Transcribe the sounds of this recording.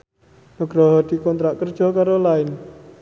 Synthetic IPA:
məɡ̥ɾɔɦɔd̪̥i̤kɔnt̪ɾaʔkərd̥ʒ̥ɔ̤kaɾolaɪn

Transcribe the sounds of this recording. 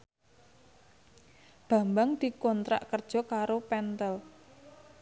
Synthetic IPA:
b̥ä̤mbaŋd̪̥i̤kɔnt̪ɾa̰ʔkərd̥ʒ̥ɔ̤kaɾopɛnt̪əl

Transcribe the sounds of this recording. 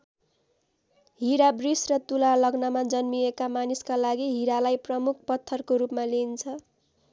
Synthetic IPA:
ɦiɾabrisrʌt̪ulalʌɡnʌmad͡zʌnmiekamaniskalaɡiɦiɾalajprʌmuk̚ʰpʌt̪ʰːʌrkoɾupmalint͡sʰʌ

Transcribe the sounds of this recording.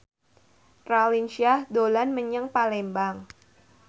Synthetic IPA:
ralinsiahdolanməɲəŋpalɛmbaŋ

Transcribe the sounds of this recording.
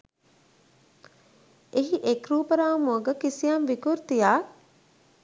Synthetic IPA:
eɦiʔekɾuːpəɾaːmuəɡəkisijamʋikuɾt̪ijaː

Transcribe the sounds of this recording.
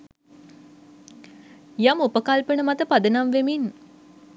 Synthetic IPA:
jamupəkalpəɳəmat̪əpad̪ənamʋemin

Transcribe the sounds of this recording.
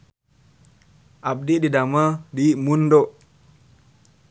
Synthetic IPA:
ʔab̚diɗidamaɗimundɔ

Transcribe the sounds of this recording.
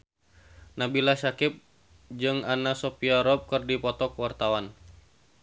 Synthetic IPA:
nabilasakɪp̚ | d͡ʒɨŋanasɔpiaɾɔp̚kɨrdipɔt̪ɔkwart̪awan

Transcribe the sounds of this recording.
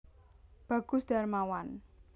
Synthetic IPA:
b̥a̤ɡ̥ʊ̤sd̪̥a̤rmawan

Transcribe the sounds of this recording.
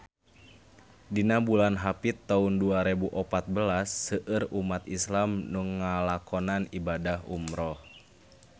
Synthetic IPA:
dinabulanɦapit̪ːaunduaɾebuʔɔpat̪̚bəlasːəʔɨrumat̪islamnuŋːalakɔnanibadaɦṵmɾɔh

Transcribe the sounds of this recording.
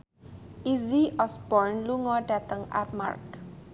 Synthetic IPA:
iziɔsbɔrnluŋɔɖat̪əŋa̰tma̰rk

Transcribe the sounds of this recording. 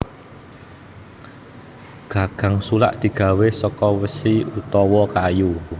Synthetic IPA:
ɡ̥a̤ɡ̥a̤ŋsula̰ʔd̪̥i̤ɡ̥a̤wesɔkɔwəsiut̪ɔwɔkaju

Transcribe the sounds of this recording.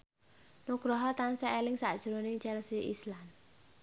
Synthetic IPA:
nuɡ̥ɾɔɦɔt̪ansaʔelɪŋsa̰ʔd̥ʒ̥ɾonɪŋt͡ʃɛlsiʔislam

